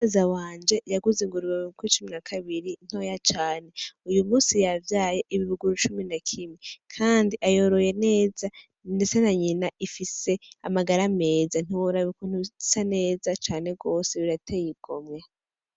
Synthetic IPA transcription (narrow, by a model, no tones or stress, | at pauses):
ezawaːnd͡ʒe̞jaɡuziŋɡuɾuwaβiukuiit͡ʃuminakʰaβiɾin̥ho̞jat͡ʃaːne̞ujumuːsijavjaːje̞ʔiβiβuɡuɾut͡ʃuminakʰimikʰaːndiʔajo̞ɾo̞je̞ne̞ːza | ndet͡se̞naɲinaʔifise̞a̰maɡaɾame̞ːzan̥iwoɾaβikon̥uisane̞ːzat͡ʃaːne̞ɡo̞ːse̞βiɾatejiɡ̥o̞̰mɲa